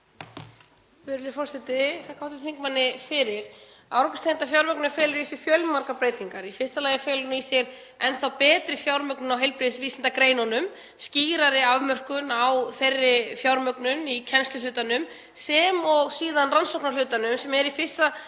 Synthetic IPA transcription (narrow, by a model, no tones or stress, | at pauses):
fɪɾɾɪfɔr̥sɛt̪ɪθakʰawt̪ɪ̥θʰiŋkmanːɪfɪɾɪɾ̥ | awɾkʏst̪ʰent̪afjawɾmœknaɾfɛːlʏɾisɪɾ̥fjœlmar̥kapɾeːjt̪iŋkaɾifɪr̥st̪alaːjɣafɛːlʏnʏisjɛɾ | ɛnθawpɛːt̪ɾɪfjawɾmœknʏnawɦejlpɾɪðɪsviːsɪnt̪akɾeːjnɔnʏm | sciːɾaɾɪavmœr̥kʏnawθejrːɪfjawɾmœknʏnicʰɛnst̪lʏlʏːt̪anʏm | sɛmɔɣsiːðanransowknalʏːt̪anʏmsɛmɛɾifɪr̥st̪a